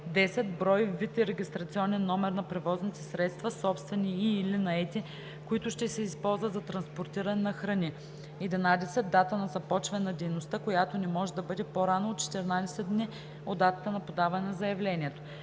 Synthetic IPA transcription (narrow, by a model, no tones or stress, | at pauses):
d̪ɛsɛd̪bɾɔjivːit̪iɾɛɡʲist̪ɾɐt̪siɔnɛnːɔmɛɾnɐpɾɛvɔznit̪ɛsɾɛt̪st̪vɐsɔpst̪vɛniːlinɐɛt̪i | koit̪ʊʃt̪ɛsɛispɔlˠzvət̪zɐt̪ɾɐnspoɾt̪iɾɐnɛnɐxɾɐnʲi | ɛd̪inad̪ɛsɛd̪ːat̪ənɐzɐpɔt͡ʃvɛnɛnɐd̪ɛjnost̪akojat̪onɛmɔʒɛd̪ɐbɤd̪ɛpoɾanoot̪t͡ʃɛ̥t̪ɛɾinad̪ɛsɛd̪ni | od̪at̪ə̥t̪ənɐpod̪avɐnɛnzɐjɐvlɛnʲiɛt̪o̥